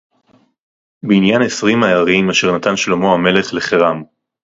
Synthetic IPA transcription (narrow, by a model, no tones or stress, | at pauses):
beinjanesʁimajaʁimaʃe̞ʁnatanʃlomo̞hame̞le̞χle̞χeʁam